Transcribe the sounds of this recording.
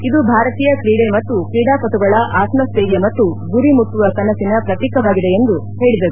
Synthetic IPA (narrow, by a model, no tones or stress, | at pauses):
id̪ubʱaːɾɐt̪iːjɐkɾiːɽemɐt̪ːukɾiːɽaːpɐt̪uɡɐɭɐʔaːsmɐst̪eːɡjɐmɐt̪ːuɡuɾimut̪ːuʋɐkɐnɐsinɐpɾɐt̪iːkɐʋaːɡid̪e̞end̪u | he̞ːɭid̪ɐɾu